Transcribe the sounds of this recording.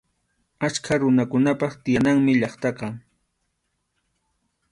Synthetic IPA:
at͡ʃkʰaɾʊnakʊnapɑχt̪ɪjanaŋmɪʎɑχt̪ɑqɑ

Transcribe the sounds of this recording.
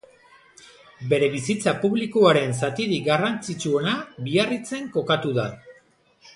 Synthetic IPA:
be̞ɾe̞βisit͡sapuβlikuaɾe̞nsat̪iɾiɡarant͡sit͡suo̞naβiarit͡se̞ŋko̞kat̪uða

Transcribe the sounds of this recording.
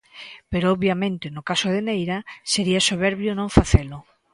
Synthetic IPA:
peɾoɔβjamẽnt̪enokasoðenejɾaseɾiasoβ̞eɾβjonõɱfaθelʊ

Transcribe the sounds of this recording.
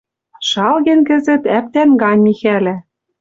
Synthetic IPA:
ʃɑlɣĕnkɘ̆zɘ̆t̪æp̚t̪ænɡɑnʲmixælæ

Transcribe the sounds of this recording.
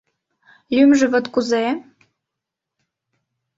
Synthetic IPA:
lʲymʒɘ̆βə̆t̪kuze

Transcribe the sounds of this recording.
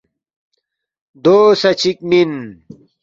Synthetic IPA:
d̪oːsɐt͡ɕik̚min

